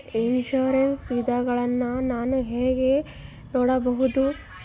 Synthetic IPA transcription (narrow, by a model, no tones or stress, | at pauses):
inʃuːɾensʋid̪ʱaɡɐɭɐnːɐnaːnuɦeːɡe̞ | noːɽɐbɐɦud̪u